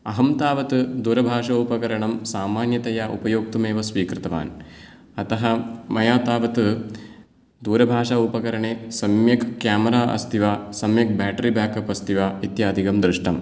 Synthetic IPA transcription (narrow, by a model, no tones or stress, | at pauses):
ɐɦɐmt̪aːʋɐt̪ɨd̪uːɾɐbʱaːʂɐupɐkɐɾɐɳɐmsaːmaːnjɐt̪ɐjaːʔṵpɐjoːk̚t̪ɐmeːʋɐsʋiːkɾɨt̪ɐʋa̰ːn | ɐt̪ɐɦɐmɐjaːt̪aːʋɐt̪ɨ | d̪uːɾɐbʱaːʂaupɐkɐɾɐɳeːsɐmjɐkkjaːmɐɾaːʔɐ̰st̪ʰiʋaːsɐmjɐk̚baːʈɐɾibaːkɐpɐst̪iʋaːit̪jaːd̪ʱikɐmd̪ɾɨʂʈɐm